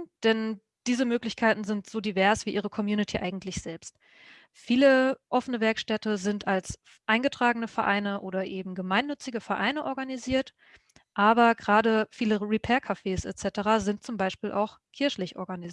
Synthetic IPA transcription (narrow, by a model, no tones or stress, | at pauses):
d̥ɛn | d̥iːzəmøːklɪçkʰaɪtn̩zɪntz̥oːdivɛɐsv̥iːʔiːʁəkʰɔmjuːnitʰiːʔaɪɡŋ̩tʰlɪçz̥ɛlpst | fiːləʔɔfənəvɛɐkʃtɛtəzɪntals | ʔaɪnɡətʁ̥aːɡənəfɛɐʔa̰ɪnəʔoːɾɐʔeːbm̩ɡəmaɪnːʏt͡sɪɡəfɛɐʔaɪnəʔɔɐɡaniziːɐt | ʔaːbɐɡʁaːdəfiːləʁipʰɛːɐkʰafeːsʔɛ̰tt͡sɛtəʁaːzɪnt̚t͡sʊmbaɪʃpiːlʔa̰ʊx | kʰɪɐçlɪçʔɔ̰ɐɡaniz